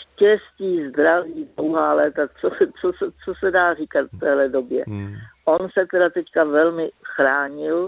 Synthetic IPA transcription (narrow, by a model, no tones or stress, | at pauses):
ʃcɛsciːzd̪ɾaviːdlowɦaːlɛːt̪at͡sosɛt͡sosɛt͡sosɛdaːriːkat̪ft̪ɛːɦlɛdo̞bjɛ̰ʔo̞nsɛt̪ɛdat̪ɛckavɛlmɪxɾaːɲɪl